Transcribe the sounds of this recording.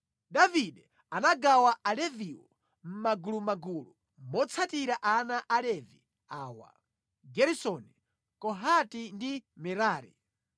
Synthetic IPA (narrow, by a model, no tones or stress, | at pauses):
davidɛ | anaɡawaʔalɛviwɔ | m̩maɡulumaɡulu | mɔt͡sʰatiɾaʔanaʔalɛvi | aːwa̰ | ɡɛɾisɔni | kɔɦatindimɛɾaːɾḭ